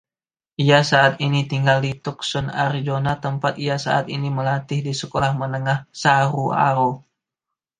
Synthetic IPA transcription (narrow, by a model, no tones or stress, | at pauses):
ʔijasaːt̪init̪iŋɡaldit̪ʊk̚sɔna̰rd͡ʒonat̪əmpat̪̚ijasa̰ʔa̰t̪iniməlat̪ɪhdisəkolahmənəŋahsaɾua̰ɾo